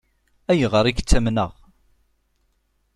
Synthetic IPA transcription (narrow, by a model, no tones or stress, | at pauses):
æjʁəɾˤikt͡sːæmnə̰ʁ